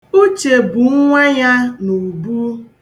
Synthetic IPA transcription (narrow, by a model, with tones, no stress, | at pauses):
u˦t͡ʃe˨bu˨˦ŋʷa˦ɲa˦nu˨bu˦